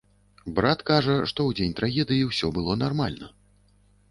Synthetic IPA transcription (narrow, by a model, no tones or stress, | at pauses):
bɾat̪kaʐɐʂt̪ɔwd͡zʲenʲt̪ɾaɣʲɛd̪ɨjiwsʲɔbɨlˠɔnarma̰lʲnɐ